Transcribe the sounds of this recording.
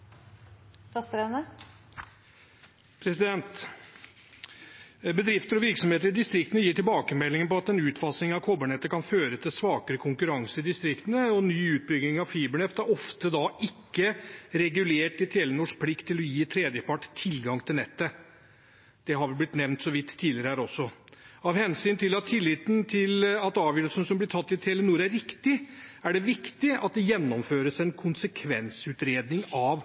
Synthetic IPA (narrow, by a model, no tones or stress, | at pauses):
fɑst̪ɾɛnə | pʰɾɛsɪd̪ɛnt̪ | bəd̪ɾɪft̪əɾɔʋɪɾksɔmeːt̪̬əɾɪd̪ɪst̪ɾɪkt̪nəjiːʈɪlbɑːkəmɛlːɪŋənpɔɑt̪ɛnʉːt̪fɑsnɪŋɑʋkʰɔbəɳɛt̪ːəkʰɑnføːɾət̪ʰɪlsʋɑːkəɾəkʰʊŋkʉɾɑŋsəɪd̪ɪst̪ɾɪkt̪ənəɔnyːʉːt̪̚bʏɡnɪŋɑʋfiːbəɳɛft̪hæɾɔft̪əd̪ɑʔɪkːəɾɛɡʉleːʈɪt̪ʰeːlənuːʂk̚pʰlɪkt̪ʰːɪlɔjiːt̪ʰɾeːd̪jəpʰɑʈːtʰɪlɡɑŋt̪ʰɪlnɛt̪ːə | d̪̥ɛɦɑɾʋɪlblɪt̪nɛʋnt̪sɔʋɪt̪ʰːiːdlɪɾəhæːɾɔsːɔɑʋhɛnsyːnt̪ʰɪlɑt̪ʰːɪlːɪːt̪nt̪ʰɪlɑt̪ɑːʋjœøːɾəlsənəsɔmblɪʈʰɑt̪ːɪt̪ʰeːlənuːɾæɾɾɪkt̪ɪæɖɛʋɪkt̪ɪɑ̰t̪̚d̪ɛjɛnːɔmføːɾəsæɪnkʰʊnsəkʰʋɛ̰nsʉːt̪ɾeːd̪nɪŋɑʋ